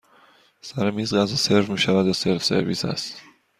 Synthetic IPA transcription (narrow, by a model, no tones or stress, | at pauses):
sæɾemizɢazeseɾfmiːʃævæd̪jaseɾfsḛɾvḭsæ̰st̪